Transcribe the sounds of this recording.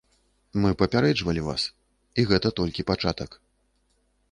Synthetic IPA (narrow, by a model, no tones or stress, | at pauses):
mɨpɐpʲaɾɛd͡ʐvɐlʲiva̰s | iɣɛt̪ɐt̪ɔlʲkʲipat͡ʂat̪ɐk